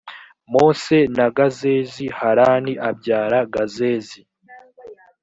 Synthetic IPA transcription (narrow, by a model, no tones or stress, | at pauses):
mo̞se̞naɡazezihaɾaːniʔab̚ɟaːɾaɡaze̞ːzi